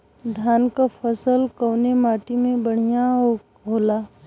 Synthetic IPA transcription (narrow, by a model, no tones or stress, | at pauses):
d̪ʱjaːnkapʰəsəlkəwnemaːʈimẽbəɽ̤ijaɦ | ɦoːlaː